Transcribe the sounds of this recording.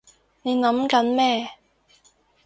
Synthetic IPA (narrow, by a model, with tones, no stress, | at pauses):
ne˨˧jnɐ˨˥mkɐ˨˥nmɛː˥